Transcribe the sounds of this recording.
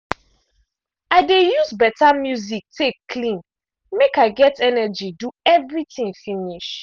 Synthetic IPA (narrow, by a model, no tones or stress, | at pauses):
aɪdejuzbɛtamjuzik̚tʰekʰlĩn | mekaɪɡɛtʰɛnɛd͡ʒiduɛvɹitĩŋfiniʃ